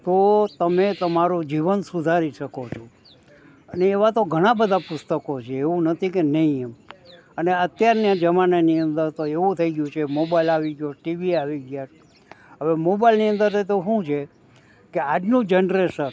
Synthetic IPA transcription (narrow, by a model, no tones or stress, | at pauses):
t̪ot̪əmet̪əmaɾud͡ʒiʋənsud̪ʱaɾiʃəkot͡ʃʰo | əneːʋat̪oɡʱəɽ̃ãbəd̪ʱapʊst̪əkot͡ʃʰeːʋũnət̪ʰikenəɦĩem | əneət̪jaɾnijãd͡ʒəmaneniənd̪əɾt̪oeʋũt̪ʰəiɡjũt͡ʃʰemobailaʋiɡjoʈiʋiaʋiɡjat͡ʃʰ | ɦəʋemobailniə̃nd̪əɾt̪ʰəit̪oɦũt͡ʃʰe | kead͡ʒnũd͡ʒenɾeʃən